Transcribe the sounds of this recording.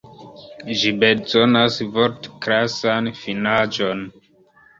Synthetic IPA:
ʒibe̞zo̞nasvoɾtkɾasanfinad͡ʒo̞n

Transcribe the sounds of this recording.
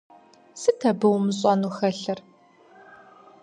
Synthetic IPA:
sɨtʰɐbɨwmɕʼɔnuxɐɬɐr

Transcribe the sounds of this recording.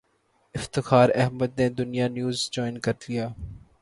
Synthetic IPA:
ɪft̪ɪxaːɾɛɦməd̪ned̪ʊnijanjuːzd͡ʒɔːɪnkɐɾdlijaː

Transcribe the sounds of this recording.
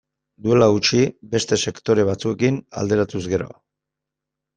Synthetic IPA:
d̪ue̞laut͡ʃibe̞st̪e̞se̞kt̪o̞ɾe̞β̞at͡sue̞kina̰ld̪e̞ɾat̪uzɣe̞ɾo̞̰

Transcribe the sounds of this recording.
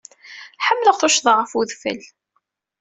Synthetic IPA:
ħəmːləʁθʊʃðˤɑʁəfuðfə̰l

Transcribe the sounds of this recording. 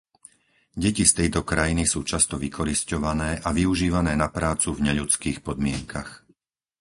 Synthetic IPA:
ɟɛcist̪ɛjt̪ɔkɾajinisuːt͡ʃast̪ɔʋikɔɾiscɔʋanɛːʔaʋiuʒiːʋanɛːnapɾaːt͡suvɲɛʎut͡skiːxpɔd̪mɪɛŋkax

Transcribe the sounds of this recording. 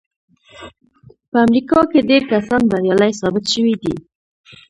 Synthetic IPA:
pəamɾikɑkeɖeɾkasɑnd̪aɾjɑlajsɑbɪt̪ʃəwid̪ḭ

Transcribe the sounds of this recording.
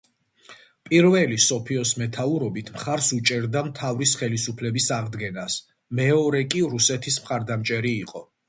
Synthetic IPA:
pʼiɾvɛlisɔpʰiɔsmɛt̪ʰauɾɔbit̪ʰmχaɾsut͡ʃʼɛɾd̪amt̪ʰavɾisχɛlisupʰlɛbisaʁd̪ɡɛnas | mɛɔɾɛkʼiɾusɛt̪ʰismχaɾd̪amt͡ʃʼɛɾiːqʼɔ

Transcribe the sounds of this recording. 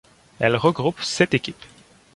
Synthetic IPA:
ɛlʁəɡʁupsɛt̪ekʲip

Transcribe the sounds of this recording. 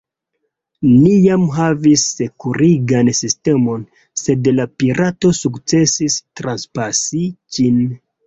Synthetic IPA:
nijamɦavisːe̞kuɾiɡansiste̞mo̞n | se̞dlapiɾato̞sukt͡se̞sistɾanspasid͡ʒin

